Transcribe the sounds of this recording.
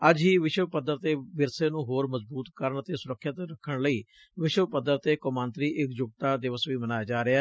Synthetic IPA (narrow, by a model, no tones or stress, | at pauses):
əd͡ʒɦiːʋɪʃwəpəd̪əɾt̪eːʋɪɾseːnũːɦoːɾməzbuːt̪kəɾəɳət̪eːsʊɾəkʰːət̪ɾəkʰːəɳləiː | ʋɪʃʋəpəd̪əɾt̪eːkəmãːnt̪ɾiːʔɪkd͡ʒʊɡ̚t̪aːd̪ɪʋəsʋiːmənaːjaːd͡ʒaːɾɪaː